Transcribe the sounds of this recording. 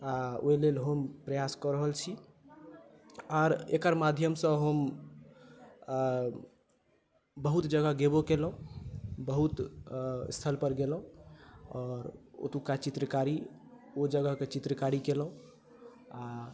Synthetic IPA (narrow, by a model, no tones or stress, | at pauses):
ao̰ilelɦəmpɾəjaskəɾəɦəlt͡ʃʰi | ɔɾekəɾmad̪ʱjəmsə̃ɦəm | bəɦut̪d͡ʒəɡəɦɡebokelɦũbəɦut̪ | st̪ʰəlpəɾɡelɦũɔɾo̰t̪ũkat͡ʃit̪ɾəkaɾi | od͡ʒəɡəɦket͡ʃit̪ɾəkaɾikelɦũ | a